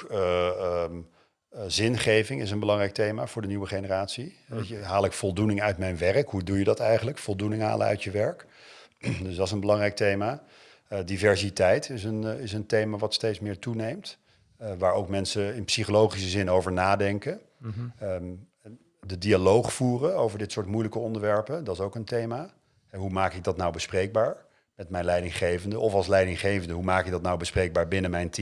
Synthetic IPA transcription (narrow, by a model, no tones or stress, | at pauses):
zɪnχejvɪŋɪs̬ənbəlɑŋrɛjk̚tejmaːvʊːɹdəniwəχenəraːtsiɦaːlˠɪkfɔlˠdunɪŋœɥtmɛjnʋɛrəkɦudujədɑtɛjχənləkfɔlˠdunɪŋɦa̰ːlə̰œ̰ɥtjəʋɛɹk | dɵsdɑts̬ənbəlɑŋrɛjk̚tejmaː | divɛɹsitɛjtɪsənɪs̬əntejmaːʋɑtstejtsmɪːɹtunejmt | ʋaːɹowkmɛnsəɪnpsiχolowχisəzɪnowvəɹnaːdɛŋkə | dədialowχfuːrəowvəɹdɪtsʊːɹtmujləkəɔndəɹʋɛɹpədɑtsowkəntejmaː | ɛɦumaːkɪɡ̚dɑtnawbəsprejɡ̚baːɹ | mɛtmɛjnlɛjdɪŋχejvəndəʔɔfɑlˠslɛjdɪŋχejvəndəɦumaːkɪɡ̚dɑtnawbəsprejɡ̚baːɹbɪnəmɛjnti